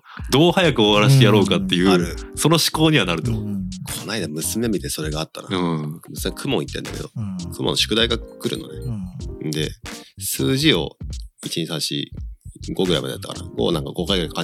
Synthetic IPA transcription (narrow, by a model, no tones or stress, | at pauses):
d̪o̞ːhajakɯ̟oβaɾaɕ̬ijaɾo̞ːkat̪ːe̞jɯ̟ːso̞no̞ɕi̥ko̞ːɲ̟iβanaɾɯ̟t̪o̞kʰo̞naid̪amɯ̟sɨme̞mʲit̪e̞so̞ɾe̞ɡaat̪ːana̰mɯ̟sɨmekʰɯ̟mõit̪ːe̞nd̪ake̞̰d̪o̞̰kʰɯ̟mõ̰nːoɕo̥kɯ̟d̪aiɡakɯ̟ɾʔɯ̟̰no̞ned̪e̞̰sɨːʑio̞̰it͡ɕiɲisãɕḭ | ɡo̞ɡɯ̟ɾa̰jma̰dḛat̪ːakaɾa̰ɡo̰ːnãŋkaɡo̞kaiɡaikaka